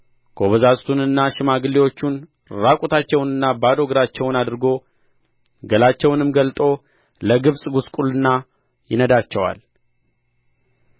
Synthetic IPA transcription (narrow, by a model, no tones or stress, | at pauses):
ɡ̥ʰoβəzasʼt̪ʰunɨnːaʃɪmaɡɨlːiwo̞t͡ʃːun | ɾakʼut̪ʰat͡ʃːɛwnɨnːabad̪o̞ɡɾat͡ʃːɛwnad̪ɨɾɡo̞ | ɡəlat͡ʃːɛwnɨmɡəlt̪ʼo̞ | ləɡɨβsʼɡuskʼulɨnːa | jɪnəd̪at͡ʃːɛwa̰l